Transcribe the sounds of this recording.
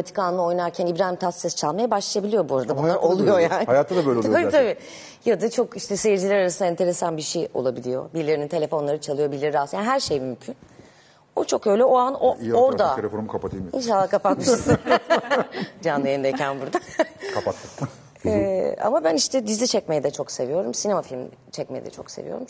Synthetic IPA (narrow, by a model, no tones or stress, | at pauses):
at̪ʰi̥kanɯo̞jnaɾcʰænibɾaːimt̪ʰassesi̥t͡ʃʰalˠmajabaʃlˠajabilʲijo̞buaɾad̪abunlˠaɾʔolˠujo̞jaːnjaːt̪ʰad̪abølʲoabit̪ʰabiː | jad̪at͡ʃʰo̞kiʃt̪ʰɛsejiɾd͡ʒilʲæɾaɾasɯnaɛnt̪ʰe̞ɾe̞sanbiʃejo̞̰lˠabilʲijo̞̰biɾlʲeɾinint̪e̞lʲe̞fo̞nlˠaɾɯt͡ʃʰalˠɯjo̞biɾlʲeɾiɾaːsjaniɦæɾʃejmymcʰyn | ot͡ʃʰo̞kø̞jlʲɛo̞anooɾd̪aelʲefnmkʰapat̪ʰilminʃ̬alˠahkʰapat̪̚mɯɯʃsɯn | d͡ʒanːɯjenid̪ecʰænbuɾd̪akʰapat̪ːɯ | ɛa̰mabæniʃt̪ʰɛd̪izit͡ʃʰɛcme̞jɛd̪ɛt͡ʃʰo̞kse̞vijo̞ɾumsinemafilʲm | t͡ʃʰɛc̚me̞jɛ̰d̪ɛ̰t͡ʃʰo̞̰kse̞̰vijo̞̰ɾum